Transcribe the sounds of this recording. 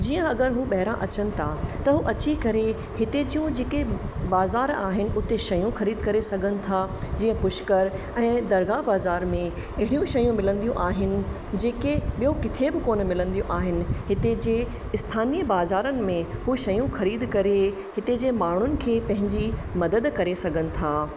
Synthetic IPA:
d͡ʑiːə̃ɐɡəɾɦuɓɐɦɪɾã̰ʔɐt͡ɕənɪ̆t̪ʰat̪ɐɦuʔɐt͡ɕikɐɾe | hɪt̪ed͡ʑijũd͡ʑeːke | baːzaːɾa̰ːɦɪnɪ̆ʊt̪eʃɐjũxɐɾiːd̪kɐɾesɐɡʱənɪ̆t̪ʰad͡ʑiːə̃pʊʃkəɾ | ɛ̃ːd̪ɐɾɡaːbaːzaːɾmẽ | ɐɦɪɽijũʃɐjũmɪlə̃nd̪ijũʔaːɦɪnɪ̆ | d͡ʑeːkeɓijokɪt̪ʰebɪkoːnmɪlə̃nd̪ijũʔaːɦɪnɪ̆ɦɪt̪ed͡ʑeː | ɪst̪ʰaːnijəbaːzaːɾənɪ̆mẽɦuʃɐjũxɐɾiːd̪kɐɾe | hɪt̪ed͡ʑeːmaːɳ̤ʊnɪ̆kʰeːpɐ̃ɦɪ̃ɲd͡ʑimɐd̪əd̪kɐɾesɐɡʱənɪ̆t̪ʰaː

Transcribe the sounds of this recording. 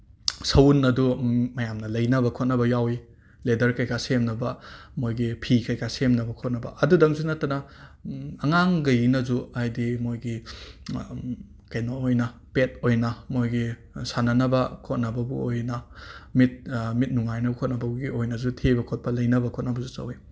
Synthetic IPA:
sɐwunːɐdumɐjamnɐlɐjnɐbɐkʰot̚nɐbɐjawi | ledɐɾkɐjkasemnɐbɐmojɡipʰikɐjkʰasemnɐbɐkʰot̚nɐbɐ̰ʔɐdudɐŋzunɐtːɐnɐ | ɐŋaŋɡɐjnɐzuajdimojɡi | kɐjnoojnɐpet̚ojnɐmojɡi | sanɐnɐbɐkʰot̚nɐbɐbuojnɐmit̚mit̚nuŋajnɐbɐkʰot̚nɐbɐbuɡiojnɐzutʰebɐkʰot̚pɐlɐjnɐbɐkʰot̚nɐbɐzusɐ̰wi

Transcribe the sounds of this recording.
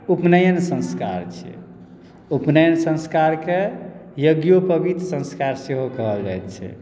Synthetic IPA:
upnəjənsə̃nska̰ɾt͡ʃʰɛ̰ | upnəjənsə̃nskaɾkejəɡjopəbit̪ɾsə̃nskaɾseɦokəɦəld͡ʒa̰jt̪t͡ʃʰɛ̰

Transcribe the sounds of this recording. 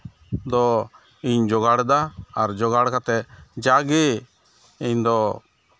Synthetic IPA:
d̪ɔ | iɲd͡ʒɔɡaɽd̪aːɾd͡ʒɔɡaɽkat̪ɛd͡ʒaɡe | iɲd̪ɔ

